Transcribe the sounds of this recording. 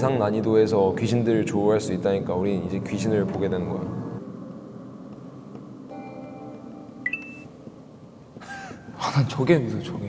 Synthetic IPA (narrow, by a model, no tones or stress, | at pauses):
esʰaŋnaɲidoe̞s̬ʰʌkɥiɕʰindɯɭt͡ɕoɦaɭs͈uit̚t͈aɲik͈auɾinid͡ʑe̞kɥiɕʰinɯɭpoɡe̞dwenɯnɡʌa̰ | anant͡ɕoɡesʰot͡ɕoɡe